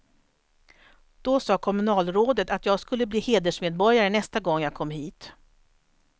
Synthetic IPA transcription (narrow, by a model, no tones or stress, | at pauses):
d̪̥ɔsɑːkʰɔmɵnɑːlɾoːd̪ət̪at̪jɑːɡskɵlːəbliːheːd̪əʂmeːd̪̚bɔɾjaɾənɛst̪aɡɔŋːjaɡ̚kʰɔmːɦiːt̪